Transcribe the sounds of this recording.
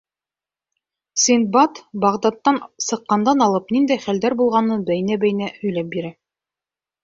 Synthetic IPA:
sint̪̚bɑt̪bɑʁd̪ɑt̪ːɑnsɤ̆qːɑnd̪ɑnɑlˠɤpnind̪æjχæld̪æɾbulˠʁɑnɤbæjɘ̆næbæjɘ̆næhɵ̆jlæp̚biɾæ

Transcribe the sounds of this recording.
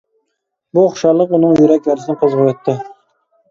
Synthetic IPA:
buχʃɑlˠːəqunɨŋjjyɾɛkʲæɾsɪnɪqʰozʁəjɛt̪ʰːɪ

